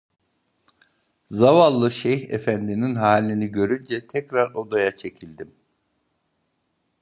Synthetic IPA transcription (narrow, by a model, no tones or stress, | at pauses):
zavalˠːɯʃɛjhefænd̪ininɦaːlʲːiniɟø̞ɾynd͡ʒɛt̪ʰɛcɾaɾo̞d̪ajat͡ʃʰe̞cʰilʲd̪im